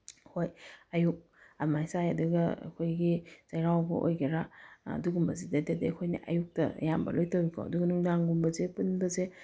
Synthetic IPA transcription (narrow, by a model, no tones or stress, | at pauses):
hojɐjuk̚ | amasajɐduɡɐa̰kʰojɡiz̥ajɾawbɐ̰ʔo̰jɡiɾaɐ̰duɡumbɐzidɐdedekʰojnḭʔɐ̰juk̚tɐ̰jambɐ̰lojtawikʰo̰ɐ̰duɡɐnuŋdaŋɡumbɐzepunbɐze